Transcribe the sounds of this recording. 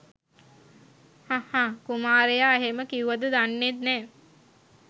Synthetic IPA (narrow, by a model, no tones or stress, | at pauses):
hãhãːkumaːɾejaːeɦeməkiuʋad̪əd̪anːet̪nɛː